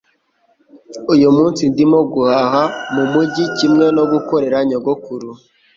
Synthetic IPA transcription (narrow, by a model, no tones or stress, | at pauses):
ujumuːnsindimoɡuhahamumuɟicimŋe̞no̞ɡukoɾe̞ɾaɲoɡokuɾu